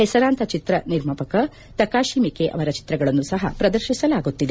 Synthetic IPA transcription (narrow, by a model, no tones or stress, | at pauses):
hɛsɐɾaːnt̪ʰɐt͡ʃit̪ɾɐniɾmɐpɐkɐ | t̪ɐkaːʃiːmikeʔɐ̰ʋɐɾɐt͡ʃi̥t̪ɾɐɡɐɭɐnːusɐɦɐ̰pɾɐd̪ɐɾʃisɐlaːɡut̪ːid̪e